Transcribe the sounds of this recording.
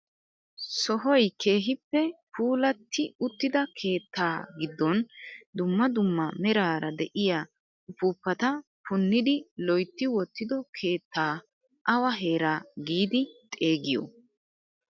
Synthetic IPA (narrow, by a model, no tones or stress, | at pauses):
sɔɦɔjkʰe̞ːɦɪpːɛpʰuːlɐt̪ːɪʊt̪ːɪd̪ɐkʰe̞ːt̪ʰːaːɡɪd̪ːɔnd̪ʊmːɐd̪ʊmːɐmɛɾaːɾɐd̪ɛʔɪjaː | ʊpuːpːɐt̪ɐ | pʊnːɪd̪ɪlɔjt̪ːɪwɔt̪ːɪd̪ɔkʰe̞ːt̪ːaː | ʔɐwɐɦe̞ːɾaːɡiːd̪ɪt̪ʼe̞ːɡɪjɔ̰